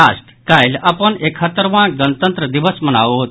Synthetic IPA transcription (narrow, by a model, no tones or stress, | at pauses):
asʈkajlapəɳekʰət̪əɾʋãɡənt̪ənt̪ɾəd̪iʋəsmənaʋɦot̪